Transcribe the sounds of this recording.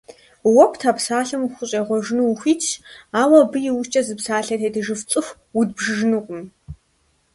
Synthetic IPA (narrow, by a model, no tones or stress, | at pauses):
wɔkʷʰtʰaːpsaːɬɨmxʷʊɕʼeːʁʷɔʒnuwxʷiːt͡ʃʰaːwɐbɨjɪwʊʃt͡ʃʼɐzɨpsaːɬɐtʰeːdɨʒɨft͡sʼɨxʷ | wud̚bʒɨʒnɨqʷʼʊm